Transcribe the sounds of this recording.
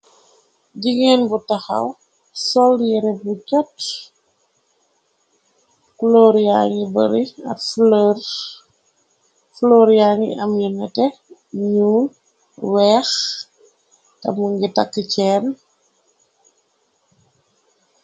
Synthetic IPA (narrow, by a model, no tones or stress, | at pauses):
ɟiŋɛnbutɐxɐ̰w | sɔljiɾɛbucɔt | kloɾiaŋibəɾiɐ̰tflər | flːɾiaŋḭɐmjinɛtɛ | ɲuːn | wɛːx | tɐ̰muŋɡitakːəcɛn